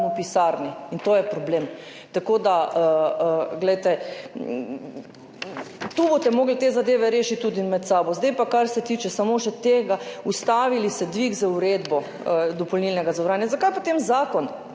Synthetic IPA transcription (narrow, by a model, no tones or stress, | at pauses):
upisaːɾniint̪oːjɛpɾɔbleːm | t̪akoːd̪aəəɡlɛjt̪ɛ | t̪ubot̪ɛmoːɡlɛt̪eːzad̪eːʋɛɾeːʃit̪̚t̪ːuːd̪inmɛt̪saːbɔzd̪ajpakaɾsɛt̪iːt͡ʃɛsamoʃɛt̪eːɡaust̪aːʋilisɛd̪ʋiɡzauɾed̪bɔ | d̪ɔpɔlnilnɛɡazɐʋɾaːnjazakajpot̪emzaːkɔn